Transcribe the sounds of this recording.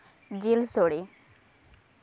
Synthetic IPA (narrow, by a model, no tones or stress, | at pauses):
d͡ʑilsoɽi